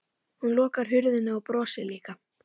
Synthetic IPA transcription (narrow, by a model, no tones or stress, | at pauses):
hunlɔːkaɾ̥ɦʏɾðɪnːɪawpɾɔːsɪliːka